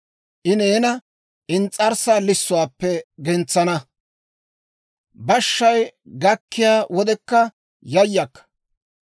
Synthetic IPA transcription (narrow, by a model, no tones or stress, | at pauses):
ʔɪneːnɐ | ʔɪnt͡sʼɐɾsaːlɪsːʊwaːpːɛɡɛnt͡sːɐnɐ | bɐʃːɐjɡɐkːɪjaːwɔd̪ɛkːɐ | jɐjːɐkːɐ̥